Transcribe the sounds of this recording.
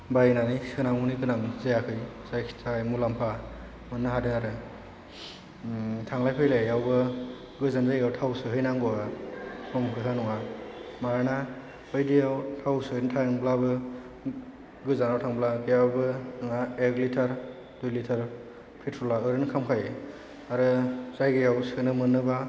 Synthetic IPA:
bajnanijsɯnamunikɯnaŋzajakʰɯjsajkʰi̥tajmulampʰa | mɯnːɯɦadɯŋaɾɯ | tʰaŋlajpʰɯjlajawbɯ | ɡɯzanzajawtʰawsɯɦɯjnaŋbaapʰɔmkʰɯtʰanɔŋamaɾana | ɯjdijawtʰawsɯɯjntʰaŋblabɯ | ɡɯzanawtʰaŋblaɡɯjawbɯnŋaeɡlitʰaɾ | dujlitʰaɾ | pʰitʰɾɔlaɯɾɯnkʰamkʰaj | aɾɯzajɡɯjawsɯnɯmɯnɯba

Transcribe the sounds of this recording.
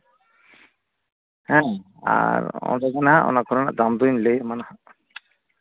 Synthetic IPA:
hɛ̃ | a̰ɾɔ̰̃nd̪ɛɡanaɦaʔɔ̰nakʰɔɾɔna̰ʔd̪amd̪uɲlejmanaha

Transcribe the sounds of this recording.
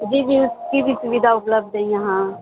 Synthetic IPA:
d͡ʒiːbiuskibʱisuʋid̪ʱaʊpləb̚d̪ʱəjãɦã

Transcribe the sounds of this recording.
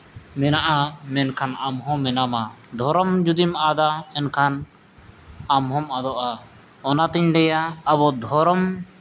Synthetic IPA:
mɛnaʔamɛnkʰanamɦɔ̃mɛnamad̪ʱɔɾɔmd͡ʒud̪imad̪aɛnkʰan | amɦɔmad̪ɔʔa | ɔnat̪iɲɖ̪ɛjaːbɔd̪ʱɔɾɔm

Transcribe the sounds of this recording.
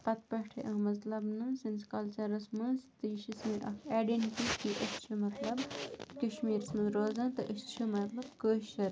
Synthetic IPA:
pɐt̪̚pɐʈʰeʔɐmɐt̪lɐbnɨsɐnskɐlt͡ʃɐɾɐsmɐst̪ɨʃismiʔɐkʰaːɖenʈikiʔɐst͡ʃʰumɐt̪lɐbkɐʃmiːɾsmɨzɾoːzɐ̃nt̪ɨʔəst͡ʃʰumɐt̪lɐb̚koːʃɐɾ

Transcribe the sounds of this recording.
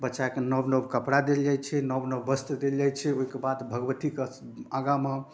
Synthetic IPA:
bətːʃakenəbnəbkəpɽad̪eld͡ʒajt͡ʃʰɛnəbnəbbəst̪d̪eld͡ʒajt͡ʃʰɛoɦikebad̪bʱəɡʋət̪ike | aɡamə

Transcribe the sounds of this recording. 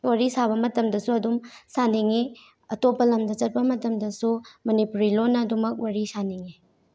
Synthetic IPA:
waɾisaβɐmɐtɐmdɐsuɐdumsaniŋi | ɐtopɐlɐmdɐt͡ʃɐt̚pɐmɐtɐmdɐsumɐnipuɾilonːɐːdumɐk̚waɾisaniŋi

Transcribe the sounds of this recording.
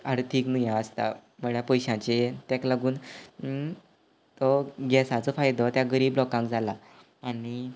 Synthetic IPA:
aɽt̪ʰiːknujãəst̪a̰məɭjapəjɕãt͡ɕet̪ɛklaɡuːn | t̪ɔɡɛsat͡sɔfajd̪ʱɔt̪jaɡəɾiːblɔkãŋkd͡zʱalaː | ɽ̃i

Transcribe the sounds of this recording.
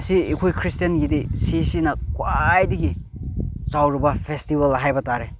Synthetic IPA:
siːkʰujkʰɾistijenɡidisisinɐkwajdiɡi | zawɾubɐpʰestibɐlɦajbɐtaɾe

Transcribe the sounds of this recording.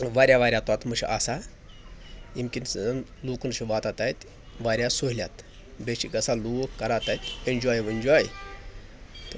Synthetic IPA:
ʋaːɾʲjaʋaːɾjat̪at̪məʃḭʔasa | imkʲinnloːkunʃiʋaːt̪at̪ajt̪ | ʋaːɾʲjasoɦlʲja̰t̪ | beʃiɡɐsalukːɐɾat̪ajt̪ʲind͡ʒaːjʋind͡ʒɔj | t̪

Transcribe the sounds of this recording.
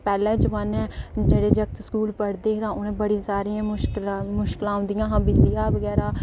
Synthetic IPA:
pɛːlɛ̃ːd͡ʒʋanɛ̃ːd͡ʒeːɽeːd͡ʒəkt̪skuːlpəɽd̪eːt̪ãːʊnẽːbəɽĩːsaːɾiːãːʊʃklmʊʃkɪlãːɦʊ̃nd̪ijãːɦãːbɪd͡ʒlijaːʋəɡɛːɾaː

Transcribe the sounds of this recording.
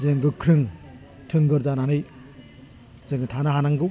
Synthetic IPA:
zeŋɡɯkʰɾɯŋ | tʰɯŋɡɯɾzananɯj | zɯŋɯtʰanaɦanaŋɡɯ

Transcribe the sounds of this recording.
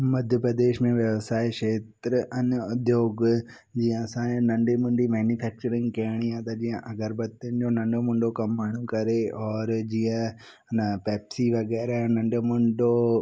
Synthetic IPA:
mɐd̪ʱjəpɾɐd̪eːʃmẽʋjɐʋsaːeʃeːt̪ɾəʔɐnʊd̪ʱjoːɡ | d͡ʑiːə̃sãːnɐ̃ɳɖimʊ̃ɳɖimɛːnipʰɛːk̚t͡ɕəɾɪ̃ŋɡkɐɦɪɽ̃iãt̪ɐd͡ʑiːə̃ʔɐɡəɾbɐt̪jənɪd͡ʑonɐ̃ɳɖomʊ̃ɳɖokɐmːaːɳ̤̃ũkɐɾeɔːɾd͡ʑiːə̃ | nɐpɛːpsiʋɐɡɛːɾanɐ̃ɳɖomʊ̃ɳɖo

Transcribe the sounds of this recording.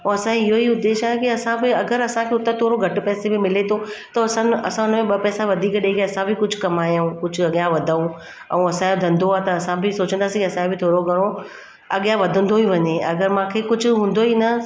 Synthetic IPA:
ũːɐsãeɪɦoiʊd̪ːeːʃaːɦekiɐsãbɪɐɡəɾɐsãkʰeːʊt̪ẽt̪ʰoːɾoɡʱɐʈpɛːsebɪmɪlet̪ʰot̪ɐɐsãɐsãʊnəmẽɓɐpɛːsaʋɐd̪ʱiːkɗekeɐsãbʱɪkʊd͡ʑʱʊkɐmaːjũkʊd͡ʑʱʊ̆ɐɠijãʋɐd̪ʱaũ | ɛ̰̃ũɐsãɐd̪ʱə̃nd̪oaːt̪ɐɐsãbʱɪsoːt͡ɕə̃nd̪aːsĩkiɐsãkʰebɪt̪ʰoːɾoɡʱɐɽ̃o | ɐɠjãʋɐd̪ʱə̃n̆d̪oɦiʋɐɲeɐɡəɾmãːkʰekʊd͡ʑʱʊ̆ɦũːn̆d̪oɦiːnɐ

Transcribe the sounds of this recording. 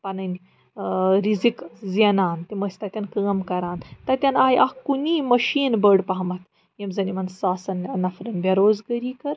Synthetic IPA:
pɐnɐnʲ | ɾizikzijɐnaːnt̪imɐsʲt̪ɐt̪ʲɐnkəːmkɐɾaːnt̪ɐt̪ʲɐnaːjʔɐhkuniːmɐʃiːnbəːɽpɐɦɐmɐt̪ʰ | jɐmzɐnimɐnsaːsɐnnɐfɾɐnbʲjɐɾoːzɡɐɾiːkɐɾ

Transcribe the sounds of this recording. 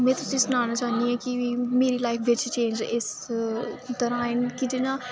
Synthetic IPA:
mɛ̃ːt̪ʊsĩsʊnaːñat͡ʃaːnd̪iẽkimeːɾilaːɪkʰʋɪt͡ʃt͡ʃẽːɲd͡ʒɪs | t̪ɐɾaːɪnkid̪ɪnã

